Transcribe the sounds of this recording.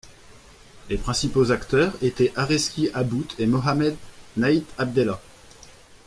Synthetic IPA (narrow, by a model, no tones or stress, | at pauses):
lepχɛ̃sipozakt̪œʁet̪ɛʔaʁɛskʲiʔabut̪ʰemɔɦamɛd̪nait̪ab̚d̪ɛla